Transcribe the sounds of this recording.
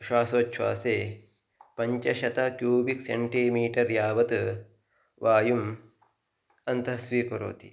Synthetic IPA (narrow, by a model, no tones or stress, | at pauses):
ʃaːsoːt͡ʃʃʰʋa̰ːseː | pɐɲt͡ʃɐʃɐt̪ɐkjuːbikseɳʈimiːʈɐɾjaːʋɐt̪ | ʋʔaːjum | ɐnt̪ɐɦɐsʋiːkɐɾo̰ːt̪i